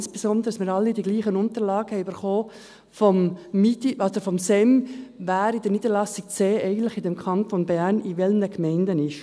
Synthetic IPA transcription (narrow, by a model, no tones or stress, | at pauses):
nsb̥esɔnd̪əɾəəsmɪːɾɑlːidiɡ̥liːχənʊnt̪əɾlɑːɡəhɛɪybəɾχoː | fɔmːitiʔɔd̥əɾfɔmsɛmvæːɾid̥ɛniːd̥̪əɾlɑsik̚t͡seːɛɪɡən̩t̪lɪχɪdɛmkʰɑntonbæɾniʋɛlnəkmɛɪndənɪʃ